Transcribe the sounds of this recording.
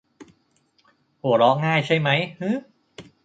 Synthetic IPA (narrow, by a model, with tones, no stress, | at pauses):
hu˩˦əɾɔ˦˥ŋaː˥˩jt͡ɕʰa˥˩jma˦˥jhɯː˦˥